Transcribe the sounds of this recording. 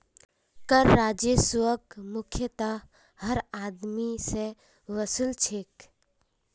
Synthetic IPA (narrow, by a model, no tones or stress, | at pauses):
kəɾːaːd͡ʒəswəɡmʊkʰjət̪a | həɾaːd̪mise | ʋəsult͡ʃʰeːk